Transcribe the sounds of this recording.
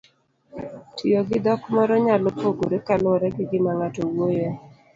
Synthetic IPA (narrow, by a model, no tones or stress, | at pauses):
tijoɡɪd̪ɔkmɔɾɔɲalopoɡoɾɛkalʊɾɛɡɪɡɪmaŋatɔwojo